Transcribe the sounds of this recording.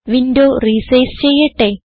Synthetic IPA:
ʋindoːriːsejst͡ɕejːɐʈːe

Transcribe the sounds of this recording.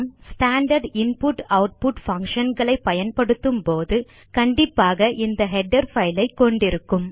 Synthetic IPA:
msʈaːɳɖɐɾɖɪnpʊʈɐʊʈ̚pʊʈfɐŋkʂɐnɡɐɭɐɪpːɐjɐnpɐɽɯt̪ːɯmpoːðɯ | kɐɳɖɪpːaːɣɐʔɪnd̪ɐɦɛɖɐɾfɐɪlɐɪkːɔɳɖɪɾɯkːɯm

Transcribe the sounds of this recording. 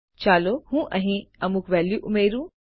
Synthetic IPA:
t͡ʃaːlohũːʔɐ̃ɦĩɐmukʋɛːljuʔumeːɾũ

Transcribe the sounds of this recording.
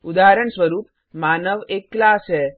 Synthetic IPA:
ud̪aɾəɳsʋəɾuːp̚ | maːnəʋekːlaːse

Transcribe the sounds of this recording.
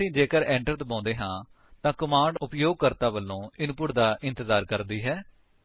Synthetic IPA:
ĩːd͡ʒeːkəɾɛ̃ːɳʈəɾt̪bãːnd̪eːɦãː | t̪ãːkəmãːɳɖʊpjoːɡ̚kəɾt̪aːʋəlːõːɪnpʊʈd̪aːʔɪnt̪əzaːɾkəɾd̪iːɦɛː

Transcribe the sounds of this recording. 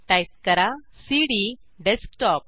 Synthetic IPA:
ʈajp̚kəɾa | siɽi | ɖeskʈɔp̚

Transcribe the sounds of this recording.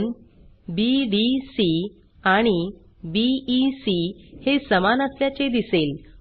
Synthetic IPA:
nbiɖisi | aɽ̃i | biːsihesəmanəsljat͡sed̪isel

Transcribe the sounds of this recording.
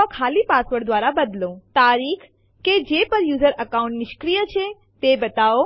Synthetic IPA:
ɔkʰaːlipasʋəɾd̪ʋaɾabəd̪lõt̪aɾikʰ | ked͡ʒepəɾjuːzəɾəkaũɳʈnɪʃkɾijət͡ʃʰe | t̪ebət̪ao

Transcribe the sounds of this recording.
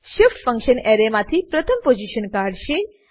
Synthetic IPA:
ʃɪfʈfə̃ŋkʃəneɾemãt̪ʰipɾət̪ʰəmpod͡ʒiʃənkaɾɖʃi

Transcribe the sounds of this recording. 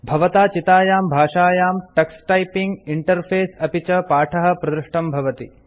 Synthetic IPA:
bʱɐʋɐt̪aːt͡ʃit̪aːjaːmbʱaːʂaːjaːmʈɐksʈɐjpiŋɡiɳʈɐɾpʰeːsɐpit͡ʃɐpaːʈʰɐɦɐ̆pɾɐd̪ɾuʂʈɐmbʱɐʋɐt̪i

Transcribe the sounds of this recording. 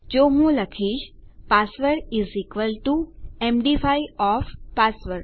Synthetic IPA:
d͡ʒoɦũləkʰiʃpasʋəɾizikʋəlʈuemɖifaiɔfpasʋəɾ

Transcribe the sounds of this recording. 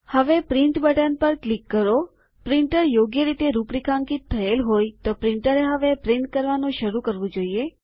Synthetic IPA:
həʋepɾɪɳt̪bəʈənpəɾklikːəɾo | pɾɪɳʈəɾjoɡjəɾit̪eɾupɾikʰãŋkit̪ʰːəelɦojt̪opɾɪɳʈəɾeɦəʋepɾiɳt̪̚kəɾʋanũʃəɾũkəɾʋũd͡ʒoie

